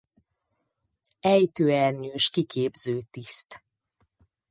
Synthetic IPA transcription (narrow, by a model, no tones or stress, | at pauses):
ɛjt̪øːɛrɲøːʃkikʰeːbzøːt̪ist̪